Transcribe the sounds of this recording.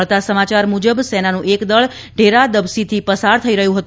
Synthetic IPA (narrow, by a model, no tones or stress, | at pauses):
ɭt̪asəmat͡ʃaɾmud͡ʒəbsɛnanũʔekd̪əɭ | ɖʱeɾad̪əbsit̪ʰipəsaɾt̪ʰəiɾəɦjũɦət̪